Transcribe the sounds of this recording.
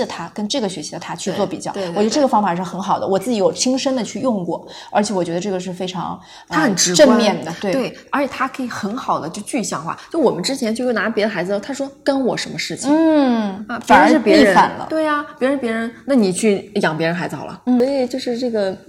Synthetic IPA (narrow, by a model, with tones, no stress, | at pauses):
ə˩t̪ʰa˥kə˥nʈ͡ʂɤ˥˩ɡə˩ɕɥɛ˧˥ɕʰi˧˥d̪ə˧t̪ʰa˥t͡ɕʰy˥˧t͡swɔ˥˩pi˨˩t͡ɕjɑ˥˩ʊe˥˧˨t͡ɕɥ̪ə˧ʈ͡ʂɤ˥˩ɡə˩fɑ˥ŋfa˨˩ʂ̬ɻ̩˥˩xə˧˥nxɑ˨˩ʊd̪ə̰˦wɔ˨˩t͡sɹ̩˥˩t͡ɕi˧˥jo˨˩ʊt͡ɕʰi˥ŋʂə˥nd̪ə˨t͡ɕʰy˥˧jʊ˥˧ŋkwɔ̰˥˩ | ə˞˧˥t͡ɕʰjɛ˧˥wɔ˨˩t͡ɕɥɛ˧˥d̪ə˧ʈ͡ʂɤ˥˩ɡə˧ʂɻ̩˥˩fe˥ɪʈ͡ʂʰɑ̰˧˥ŋʰ | a˥xə˩˨˩nʈ͡ʂɻ̩˧˥ʈ͡ʂə˥˧mjɛ˥˩nd̪ə˩t̪we˥˩ɪe˥˩ɪə˞˧˥t͡ɕʰjɛ˨˩t̪ʰa˥kʰɤ˧˥i˨˩xə˧˥nxɑ˨˩ʊd̪ə˦t͡ɕjo˥˧ʊt͡ɕy˥˩˧ɕjɑ˥˧ŋxwa̰˥˩t͡ɕjo˥˩˧wɔ˨˩mə˦nʈ͡ʂɻ̩˥t͡ɕʰjɛ˧˥nt͡ɕjo˥˧ʊjna˧˥pjɛ˧˥ə˧xa˧˥ɹ̩˧˥˩t̪ʰa˥ʂwɔ˥kə˥nwɔ˨˩ʂə˧˥nmə˧ʂɻ̩˥˩t͡ɕʰi˧˥˩ | fa˨˩˧ə˞˧˥ʂɻ̩˥˩pjɛ˧i˥˩˥ɻə˧˥a̰˨˩nlə̰˦t̪we˥˩ɪa˩pjɻ̩˧˦˥pjɻə˧˥nna˥˩ni˨˩t͡ɕʰy˥˩jɑ˨˩ŋp̬jɛ˧˥ɻə˧˥nxa˧˥ɪzɹ̩˧xɑ̰˨˩lə̰˦n̩˥˩ɔ˥i˥˨˩t͡ɕjo˥˧ʊʂɻ̩˥˧ʈ͡ʂɤ˥˩ɡə˩